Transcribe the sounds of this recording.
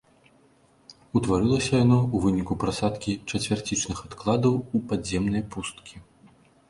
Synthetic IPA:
ut̪vaɾɨlˠɐsʲɐjanɔuvɨnʲikupɾasat̪kʲit͡ʂɐt͡sʲvʲart͡sʲit͡ʂnɨxat̪klˠad̪ɐwupadzʲɛmnɐjpust̪kʲi

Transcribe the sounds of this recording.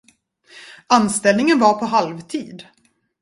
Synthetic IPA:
anst̪ɛlnɪŋənvaɾpʰɔɦalvt̪ʰiːd̪

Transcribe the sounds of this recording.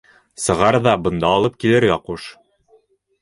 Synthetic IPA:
sɤ̆ʁɑɾðɑbɤ̆nd̪ɑːlˠɤp̚kilɘɾɡɑquʃ

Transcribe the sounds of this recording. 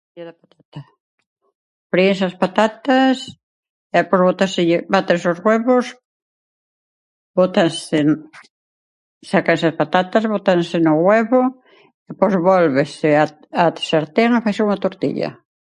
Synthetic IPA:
jaðapat̪at̪a | pɾiẽsaspat̪at̪as | epozβot̪aɾsɪʎɪbat̪ẽsozɣweβos | bot̪ansen | sakaesɐspat̪at̪azβot̪ansɪnʊɣweβo | epɔjzβolβesɪa | at̪seɾt̪enafajsɪuŋat̪oɾt̪ḭʎɐ̰

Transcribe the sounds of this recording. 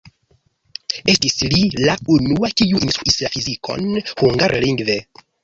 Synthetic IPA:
e̞stislilaunuakiuʔinstɾuʔislafizikʰo̞̰nhuŋɡaɾliŋɡve̞

